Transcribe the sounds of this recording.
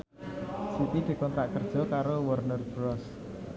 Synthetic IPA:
sip̪id̪̥i̤kɔnt̪ɾaʔkərd̥ʒ̥ɔ̤kaɾowərnərbɾɔs

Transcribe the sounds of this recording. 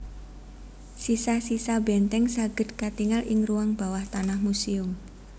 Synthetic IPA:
sisasisabɛnt̪ɛŋsaɡ̥ə̤d̪̚kat̪iŋalʔɪŋruwaŋb̥a̤waht̪anahmusiʊm

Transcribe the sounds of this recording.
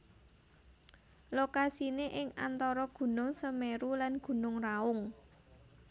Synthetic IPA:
lokasineʔɪŋa̰nt̪ɔɾɔɡ̥ṳnʊŋsəmeɾulanɡ̥ṳnʊŋraʊŋ

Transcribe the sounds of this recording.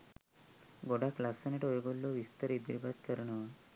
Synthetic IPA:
ɡoɽaklasːəneʈojɡolːoʋist̪əɾid̪iɾbad̪kəɾɳə

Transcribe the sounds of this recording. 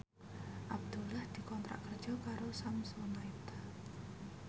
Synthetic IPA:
ʔab̚d̪̥ulahd̪̥i̤kɔmp̪ɾa̰ʔkərd̥ʒ̥ɔ̤kaɾosamsɔnait̪a

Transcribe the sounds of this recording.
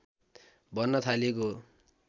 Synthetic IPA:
bʱʌnːʌt̪ʰaleko

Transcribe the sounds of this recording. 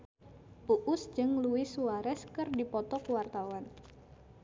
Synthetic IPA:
puʔʊsd͡ʒɨŋluwɪsuaɾɛskɨrdipɔt̪ɔkuwart̪awan

